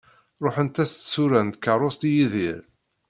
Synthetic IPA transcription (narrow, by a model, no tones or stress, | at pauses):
ɾˤoħənt̪æst̪suɾænd̪kərˤost̪ijiðɪɾ